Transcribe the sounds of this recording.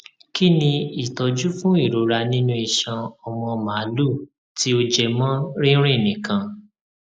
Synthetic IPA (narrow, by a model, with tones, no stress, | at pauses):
ki˦nĩ˧i˨tɔ˧d͡ʒu˦fũ˦i˦˨ɾo˧ɾa˧nĩ˦nũ˧i˨ʃã˧ɔ˨w̃ɔ̃˧ma˨˦lu˦˨ | ti˦o˧d͡ʒɛ˧mã˦ɾĩ˦ɾ̃ĩ˦˨nĩ˨kã˨˧